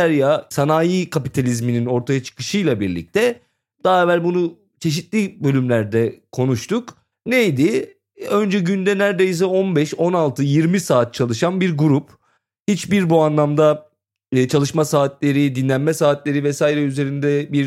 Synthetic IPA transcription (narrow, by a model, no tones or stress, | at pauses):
æɾjasanaːjiːkʰapit̪ʰalʲizminino̞ɾt̪ʰajat͡ʃʰɯ̥kɯ̥ʃɯjlˠabiɾlʲḭc̚t̪ʰɛ | d̪̥aɛvælʲbunu | t͡ʃʰe̞ʃit̪lʲibø̞lʲymlʲæɾd̪ɛkʰo̞nuʃt̪ʰuk | nejd̪i | ø̞nd͡ʒɛɟynd̪ɛnæɾd̪ejis̬ɛo̞nbɛʃo̞nalˠt̪ʰɯjiɾmisaːt̪̚t͡ʃʰalˠɯʃanbiɾɡuɾup | hit͡ʃbiɾbuanlˠamd̪a | t͡ʃʰalˠɯʃmasaːt̪lʲe̞ɾid̪inlʲænmɛsaːt̪lʲe̞ɾivɛsaːiɾɛyze̞ɾind̪ɛbiɾ